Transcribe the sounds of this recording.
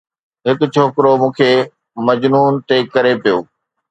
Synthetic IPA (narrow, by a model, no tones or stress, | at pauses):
ɦɪkʊt͡ɕʰoːkɾomũːkʰeː | mɐd͡ʑnuːnt̪ekɐɾepijo̰ː